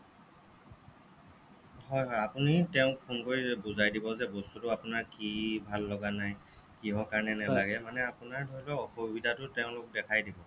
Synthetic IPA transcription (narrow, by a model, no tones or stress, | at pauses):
hɔjɦɔjapunitɛʊ̃kkʰumkoɹibuzajdibɔzɛbɔstutʊapʊnaɹkibʱalːɔɡanaj | kiɦɔkaɹnɛnɛlaɡɛmanɛapʊnaɹdʱoɹilɔɔxubidʱatʊtɛʊ̃lʊk̚dɛkʰajdibɔ